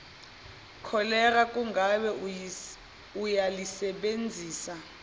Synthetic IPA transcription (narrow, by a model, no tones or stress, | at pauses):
kʰɔlɛrakʼuŋɡʱaɓɛ | ujalisɛɓend͡zʱiːsa